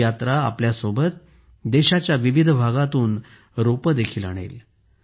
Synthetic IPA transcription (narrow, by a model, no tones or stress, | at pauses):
jat̪ɾa̰ːpljasobət̪̚ | d̪eɕat͡ɕjaʋiʋid̪ʱbʱaɡat̪uːn | ɾopəd̪ekʰiːla̰ɽ̃ḛl